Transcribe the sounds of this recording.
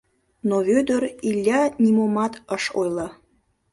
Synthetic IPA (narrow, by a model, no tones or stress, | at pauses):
noβød̪ə̆ɾilʲːɑnʲimomɑt̪əʃojlˠɑ